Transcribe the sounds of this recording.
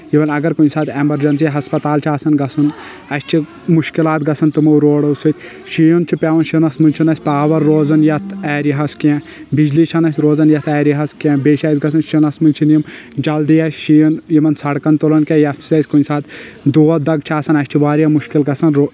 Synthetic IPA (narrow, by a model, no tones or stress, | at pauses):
jiʋɐnɐɡɐɾkunʲsaːt̪emɐɾd͡ʒɐns̬ijaɦɐspɐt̪aːlt͡ʃʰaːsɐnɡɐsɐn | ɐst͡ʃʰi | muʃkilaːt̪ɡɐsɐnt̪ɨmɐɾoːɽɐsɨt̪ʲ | ʃijənt͡ʃʰipʲaːʋɐnʃinɐsmɨnʲt͡ʃʰinɐsʲpaːʋɐɾːoːzɐnjɐt̪ʰɛːɾiɦɐskiɛ̃ | bid͡ʒlit͡ʃʰɐnɐsʲɾoːzɐnjɐt̪ʰɛːɾiɦɐskẽːbeːʃaːzɡɐsʰɐnʃinɐsmɨnʲt͡ʃʰinjim | d͡ʒɐld̪ijɐsʲʃijnjimɐnsɐɽkɐnt̪olɐnkejɐfʰsɐsʲkunʲsaːt̪ | d̪oːɐd̪ɐɡt͡ʃʰaːsɐnɐsʲt͡ʃʰiʋaːɾjamuʃkilɡɐsɐnɾo